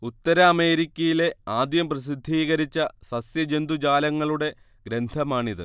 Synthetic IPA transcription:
ut̪ːɐɾɐːme̞ːɾikʲːɐjile̞aːd̪jɐmprɐs̬id̪ʱːiːɣɐɾit͡ɕːɐsɐsjɐd͡ʑe̞nd̪ud͡ʑaːlɐŋːɐɭuɽe̞ | ɡɾe̞nd̪ʱɐmaːɳiðɨ̰

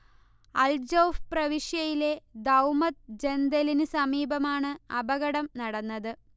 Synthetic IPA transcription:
ɐld͡ʑoːfprɐʋiʂjɐjile̞d̪ɐwmɐt̪̚d͡ʑe̞nd̪elinɨsɐmiːbɐmaːɳɨɐbɐɣɐɽɐmnɐɽɐnːɐðɨ

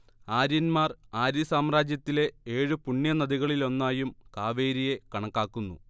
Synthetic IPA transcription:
aːɾjɐnmaːraːɾisaːmraːd͡ʑjɐt̪ːile̞eːɻɨpuɳːjɐnɐðiɣɐɭilo̞nːaːjumkaːʋe̞ːɾije̞kɐɳɐkːaːkːunːṵ

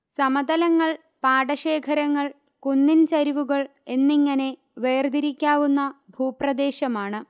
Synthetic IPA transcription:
sɐmɐd̪ɐlɐŋːɐɭ | paːɽɐɕe̞ːkʰɐɾɐŋːɐɭ | kunːint͡ɕɐɾiʋuɣɐɭe̞nːiŋːɐne̞ | ʋeːrd̪iɾikʲːaːʋunːɐbʱuːprɐd̪e̞ːɕɐmaːɳɨ

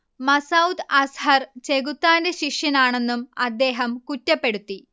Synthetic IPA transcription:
mɐsɐwt̪ɐshɐrt͡ɕeɣut̪ːaːndeɕikʂjɐnaːɳe̞nːumɐd̪ːe̞ːɦɐmkutːɐpːe̞ɽut̪ːi

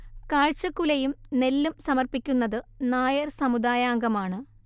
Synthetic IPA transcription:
kaːɻt͡ɕːɐkːulɐjumne̞lːumsɐmɐrpikʲːunːɐðɨnaːjɐrsɐmud̪aːjaːŋɡɐmaːɳɨ

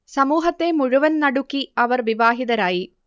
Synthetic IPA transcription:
sɐmuːɦɐt̪ːe̞muɻuʋɐnnɐɽukːiɐʋɐrʋiʋaːɦiðɐɾaːji

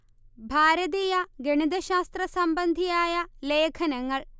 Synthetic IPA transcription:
bʱaːɾɐðiːjɐɡeɳid̪ɐɕaːst̪rɐsɐmbɐnd̪ʱijaːjɐleːkʰɐnɐŋːɐɭ

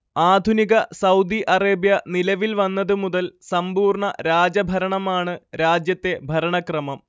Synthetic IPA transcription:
aːd̪ʱuniɣɐsɐwd̪iʔɐreːbjɐnilɐʋilʋɐnːɐðɨmuðɐlsɐmbuːrɳɐɾaːd͡ʑɐbʱɐɾɐɳɐmaːɳɨɾaːd͡ʑjɐt̪ːe̞bʱɐɾɐɳɐkrɐmɐm

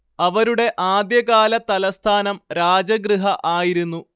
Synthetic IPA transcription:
ɐʋɐɾuɽe̞ʔaːd̪jɐɣaːlɐt̪ɐlɐst̪ʰaːnɐmɾaːd͡ʑɐɡɾɨɦɐʔaːjiɾunːu

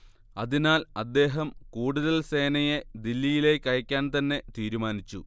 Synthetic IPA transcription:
ɐðinaːlɐd̪ːe̞ːɦɐmkuːɽuðɐlse̞ːnɐjed̪ilːijile̞kʲːɐjɐkʲːaːnt̪ɐnːe̞t̪iːɾumaːnit͡ɕːu

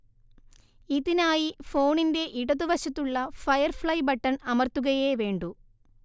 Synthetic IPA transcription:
iðinaːjifo̞ːɳinde̞ʔiɽɐðuʋɐɕɐt̪ːuɭːɐfɐjɐrfɭɐjbɐʈːɐnɐmɐrt̪ːuɣɐjeːʋe̞ːɳɖu

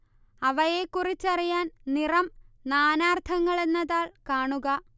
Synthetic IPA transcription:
ɐʋɐjeːkːurit͡ɕːɐrijaːnnirɐmnaːnaːrt̪ʰɐŋːɐɭe̞nːɐðaːɭkaːɳuɣɐ

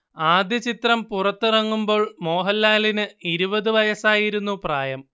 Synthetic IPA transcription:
aːd̪jɐt͡ɕit̪rɐmpurɐt̪ːɨrɐŋːumbo̞ːɭmo̞ːɦɐlːaːlinɨiɾubɐðɨʋɐjɐsaːjiɾunːupraːjɐm

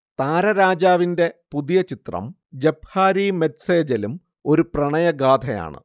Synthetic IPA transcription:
t̪aːɾɐɾaːd͡ʑaːʋinde̞puðijɐt͡ɕit̪rɐ̰m | d͡ʑebʱhaːɾimetseːd͡ʑɐlum | o̞ɾuprɐɳɐjɐɡaːd̪ʰʱɐja̰ːɳɨ̰

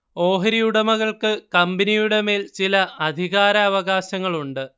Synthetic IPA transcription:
o̞ːɦɐɾijuɽemɐɣɐɭkɨkɐmbinijuɽe̞me̞ːlt͡ɕilɐʔɐd̪ʱiɣaːɾɐːʋɐɣaːɕɐŋːɐɭuɳɖɨ

